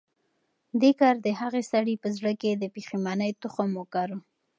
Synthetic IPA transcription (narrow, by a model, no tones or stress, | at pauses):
d̪ekɑɾd̪əɦaɣesaɽipəzɽəked̪əpiximanəjt̪ʊxomokaɾo